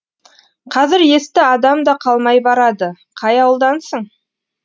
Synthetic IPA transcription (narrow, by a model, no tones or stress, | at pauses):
qʰɑzɪɾje̞st̪ɪɑd̪ɑmd̪ɑqʰɑlˠmɑjbɑɾɑd̪ə | qʰɑjɑwəlˠd̪ɑnsəɴ